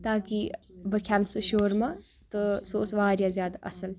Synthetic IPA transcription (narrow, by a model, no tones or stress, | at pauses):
t̪aːkibəkʲʰamsɨʃoːɾmɐ | t̪ɨsoːsʋaːɾjazjaːd̪aʔɐsɐl